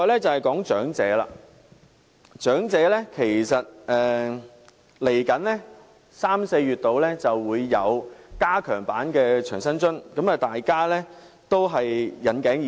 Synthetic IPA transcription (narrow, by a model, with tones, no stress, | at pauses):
jlɛː˥t͡sɐ˨whɐ˨˩jkɔː˨˥ŋt͡ʃœː˨˥ŋt͡sɛ̰ː˨˥la̰ː˧ | t͡ʃœː˨˥ŋt͡sɛː˨˥lɛ˥kʰe˨˩jsɐ˨t̚ɛː˨˩ | le˨˩jkɐ˨˥nlɛ˥ | saː˥mse˧jɥyː˨t̚t̪o˨˧wlɛː˥t͡sɐ˨wːuː˨˧jːɐ˨˧wkaː˥kʰœː˨˩ŋpaː˨˥nkɛː˧t͡ʃʰœː˨˩ŋsɐ˥nt͡ʃɵ˥nkɐ˨˥mɐ˨˩t̪aː˨jkaː˥lɛ˥ | t̪o˥wɦɐ˨jːɐ˨˥nkɛː˨˥ŋji˨